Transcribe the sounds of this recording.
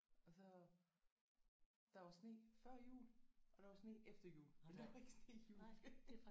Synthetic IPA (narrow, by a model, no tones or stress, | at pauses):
ɒsɒ | d̥ɑ̈ʋɑ̈sne̝̰fɶɐ̰jṵːlʔɒ̽d̥ɑʋɑ̈sne̝̰ːʔefd̥ɐjṵːlmend̥eʋɑe̝ɡ̥əsne̝̰ːjuː